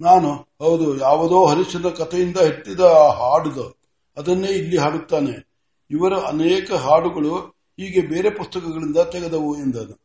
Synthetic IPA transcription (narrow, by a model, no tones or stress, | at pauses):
naːnuhɐwd̪ujaːʋɐd̪o̞ːɦɐɾiʂɐnɐkɐt̪ʰejind̪ɐɦeʈːid̪ɐːɦaːɽud̪ɐ | ɐd̪ɐnːe̞ːilːiɦaːɽut̪ːaːne̞ | iʋɐɾɐɐnɛːkɐɦaːɽuɡɐɭu | ɦiːɡebe̞ːɾe̞pust̪ɐkɐɡɐɭind̪ɐt̪ɛɡed̪ɐʋuend̪ɐnu